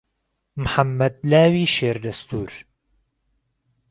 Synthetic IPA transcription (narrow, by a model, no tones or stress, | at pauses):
mħamːɐd̪̚laːwiːʃeːɾd̪ɐst̪ʰuːɾ